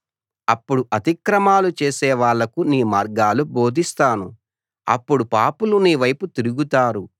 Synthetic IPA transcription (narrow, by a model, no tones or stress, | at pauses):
ɐpːuɽuʔɐt̪ikɾɐmaːlut͡ʃeːsɛːʋaːɭːɐkuniːmaːɾɡaːlubo̞ːd̪ʱist̪aːnu | ɐ̰pːuɽupaːpuluniːʋɐjput̪iɾuɡut̪aːɾu